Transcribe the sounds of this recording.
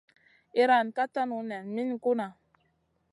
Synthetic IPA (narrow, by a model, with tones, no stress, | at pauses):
i˦ɾa˨nka˦ta˦nu˨nɛ˨nmi˦nku˦na˨